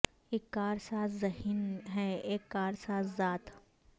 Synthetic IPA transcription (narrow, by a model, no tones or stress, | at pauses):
eːkːaːɾsaːszɐɦinɦɛeːkːaːɾsaːszaːt̪